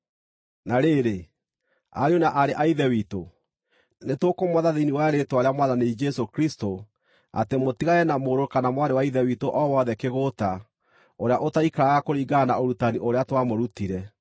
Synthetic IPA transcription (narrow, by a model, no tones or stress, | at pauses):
naɾeːɾe | a̰ɾeonaʔaɾeʔaiðɛwiːto | netwokomwaðaðiniwaɛɾetwaɾeamwaðaned͡ʒɛsokɾisto | a̰temotiɣaɛnamoɾokanamwaɾewaiðɛwitoʔɔwɔðɛkeɣota | oɾeaʔotaikaɾaɣakoɾiːɡanaoɾutaniʔoɾeatwamoɾutiɾɛ